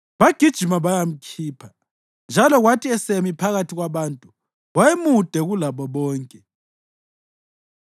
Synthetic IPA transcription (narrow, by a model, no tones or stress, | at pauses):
βaɡ̥ʱid̥ʒ̥ʱimaβajam̩kʰiːpʰḁ | nd͡ʒʱalɔɣwatʰʼiɛsemipʰaɣatʰiɣwaβaːntʼu | wajemud̥ʱɛɣulaβɔβɔːŋkʼɛ